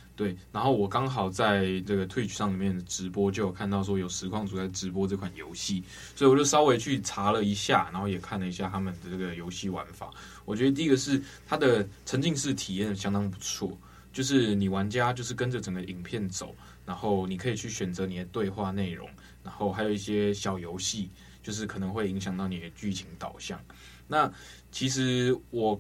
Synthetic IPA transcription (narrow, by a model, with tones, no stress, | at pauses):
t̪we˥˩ɪna˧˥nxo˥˩ʊwɔ˨˩kɑ˥ŋxɑ˨˩ʊt͡sa˥˧ɪʈ͡ʂɤ˥˩ɡə˩t̪ʰwe˥˧ɪt͡ɕʰy˨˩ʂɑ˥˩ŋli˨˩mjɛ˥˩nd̪ə˩ʈ͡ʂɻ̩˧˦˥pwɔ˥t͡ɕjo˥˩ʊjo˨˩kʰa˥˧nt̪ɑ˥˩ʊʂ̬wɔ˥jo˨˩ʊʂɻ̩˧˥kʰwɑ˥˩ŋt͡su˨˥a˧˥˩ʈ͡ʂɻ̩˧˥p̬wɔ˥ʈ͡ʂɤ˥˩kʰwa˨˩njo̰˧˥ʊɕi˥˩ | swo˧˥i˨wɔ˨˩t͡ɕjo˥˩ʊʂɑ˥ʊwe˧˥ɪt͡ɕʰy˥˩ʈ͡ʂʰa˧˥lə˨i˧˥ɕja̰˥˨na˧˥nxo˥˩jɛ˨˩kʰa˥˩nlə˩i˧˥ɕ̬ja˥˩t̪ʰa˥mə˨nd̪ə˩ʈ͡ʂɤ˥˩ɡə˩jo˧˥ʊɕi˥˩wa̰˧˦nfa̰˨˩˦ | wɔ˨˩t͡ɕɥɛ˧˥d̪ə˧t̪i˥˧˥ɡə˨ʂɻ̩˥˩t̪ʰa˥d̪ə˨t͡sʰə˧˥ŋt͡ɕi˥˧ŋʂɻ̩˥˩t̪ʰi˨˩jɛ˥˩n˩ɕjɑ˥ŋd̪ɑ˥ŋp̬u˧˥t͡sʰwɔ˥˩ | t͡ɕjo˥˧ʊʂ̬ɻ̩˥˩ni˨˩wa˧˦nt͡ɕja˦˥t͡ɕjo˥˧ʊʂ̬ɻ̩˥˩kə˦nʈ͡ʂə˨˩ʈ͡ʂə˨˩ŋɡə˩ʔi˨˩ŋpʰjɛ˥˩nt͡so˨˩˦ʊ | na˧˥nxo˥˩ʊni˨˩kʰɤ˧˥i˨˩t͡ɕʰy˥˩ɕɥɛ˨˩nt͡sɤ˧˦ni˨˩d̪ə˩t̪we˥˧ɪxwa˥˧ne˥˩ɪɻo̰˧˦ŋ | na˧˥nxo˥˩ʊxa˧˥jo˨˩i˥˩ɕjɛ˦˥ɕjɑ˨˩ʊjo˧˦˥ʊɕi˥˨ | t͡ɕjo˥˧ʊʂ̬ɻ̩˥˩kʰɤ˨˩nə˧˦ŋxwe˥˩ɪi˧˥ŋɕjɑ˨ŋt̪ɑ˥˩ʊni˨˩d̪ə˩t͡ɕy˥˩t͡ɕʰi˧˥ŋt̪ɑ˨˩ʊɕjɑ̰˥˩ŋ | na˥˩ | t͡ɕʰi˧˥ʂ̬ɻ̩˧˥wɔ˨˩